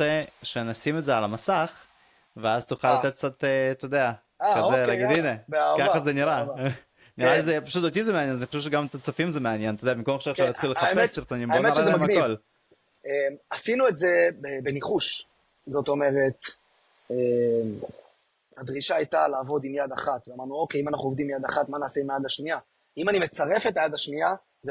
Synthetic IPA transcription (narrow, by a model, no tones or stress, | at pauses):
eʃe̞nasimetzealamasaχ | veazt̪uχalːat̪etk̚t͡sat̪̚t̪et̪od̪ea | aazelaɡid̪inebeakaχazeniɾa | niɾazepaʃut̪ot̪̬izemeanjenaniχoʃevʃ̬eɡamt̪at͡safimzemeanjent̪od̪eabimkomeχʃaʁʃalat̪χileχaeessiʁt̪onimbomeaɾemamako̞l | emasinuetze̞bebe̞niχuʃ | zoto̞me̞ʁe̞t̪ | em | had̪ʁiʃaːjtalaːvo̞d̪imjad̪aχat̪veamaʁnuo̞keimanaχnuovd̪imjad̪aχatmanaːseimejadlaʃnia | imanimet͡saʁe̞fetajad̪aʃnia | ze